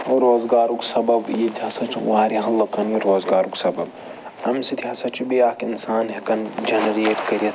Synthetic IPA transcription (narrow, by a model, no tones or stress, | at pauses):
ɾoːzɡaːɾuksɐbɐbjit̪ʰʲihɐsɐt͡ʃʰuwaːɾʲɐɦɐlɐkɐnjiɾoːzɡaːɾuksɐbɐb̚ | ɐmsit̪ʰʲiɦɐsɐt͡ʃʰibiaːkinsaːnɦɐkɐnd͡ʒɐnɐɾeːʈkɐɾiɐ